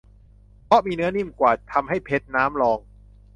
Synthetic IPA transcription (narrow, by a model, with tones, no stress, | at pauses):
pʰɔ˦˥miː˧nɯ˦˥ɐni˥˩mkwaː˨˩t̪ʰːa˧mɦa˥˩jpʰe˦˥t̪̚naː˦˥mlɔː˧ŋ